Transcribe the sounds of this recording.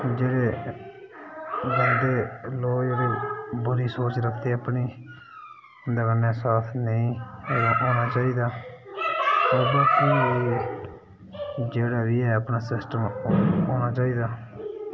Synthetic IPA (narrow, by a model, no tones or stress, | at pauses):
d͡ʒeːɽeː | bənd̪eːloːd͡ʒeːɽeːbʊɾiːsoːt͡ʃɾəkʰt̪eːəpɳiː | d̪əɡənaːsaːt̪ʰnəĩːʔoːnaːt͡ʃaːiːd̪aː | oɾbekĩːi | d͡ʒeːɽaːbiːɛːəpnaːsɪsʈəmoːñaːt͡ʃaːiːd̪aː